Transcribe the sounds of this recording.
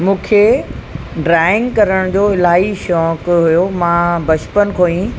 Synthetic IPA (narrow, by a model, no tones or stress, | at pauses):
mũːkʰe | ɖɾaːɪ̃ŋɡkɐɾəɽ̃d͡ʑoːɪlaːɦiʃɔːkɦʊjomãːbɐt͡ɕpənkʰoːĩ